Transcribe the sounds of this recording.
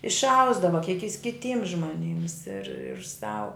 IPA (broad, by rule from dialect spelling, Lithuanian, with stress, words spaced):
ɪʃˈɐʊzdɐʋɐ kʲiɛk jɪs kʲɪˈtʲiːms ʒmoːˈnʲiːms ɪr sɐʊ